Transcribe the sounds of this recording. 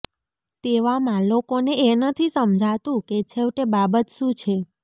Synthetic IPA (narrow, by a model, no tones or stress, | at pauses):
t̪eʋamãlokoneenət̪ʰisəmd͡ʒʱat̪ũket͡ʃʰeʋʈebabət̪ʃũt͡ʃʰe